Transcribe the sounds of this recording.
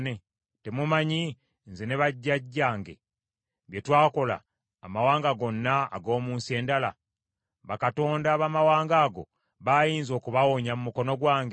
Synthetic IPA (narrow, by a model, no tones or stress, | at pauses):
ne | te̞mumaɲi | nzene̞βaɟːaɟːaːŋɡe̞̰ | βjetwaːko̞la̰ː | mawaːŋɡaɡo̞nːa̰ːɡo̞ːmuːnsie̞ːndala | βakato̞ːndaβamawaːŋɡaːɡo̞̰ | βajiːnzo̞ːkuβawoɲamumuko̞no̞ɡwaːŋɡe